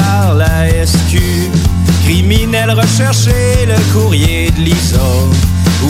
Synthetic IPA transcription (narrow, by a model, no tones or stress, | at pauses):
aʁla | ɛskʲy | kʁiminɛlʁəʃɛʁʃeləkuʁjed̪lizɔ | u